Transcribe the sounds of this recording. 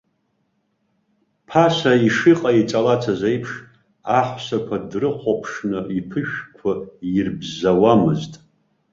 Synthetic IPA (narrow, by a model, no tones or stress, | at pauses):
pʰasaiʂiqʼait͡ʃʼalat͡sʰazejpʰʂ | aħʷsakʷʰadrɨqʷʰapʰʂnɨipʰɨʃᶣkʷʰajirbzawamɨztʼ